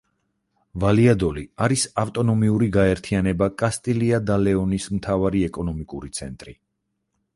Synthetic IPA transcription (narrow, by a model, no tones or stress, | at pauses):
valiad̪ɔliaɾisaft̪ʼɔnɔmiuɾiɡaɛɾt̪ʰianɛbakʼast̪ʼiliad̪alɛɔnismt̪ʰavaɾiɛkʼɔnɔmikʼuɾit̪sʰɛnt̪ʼɾi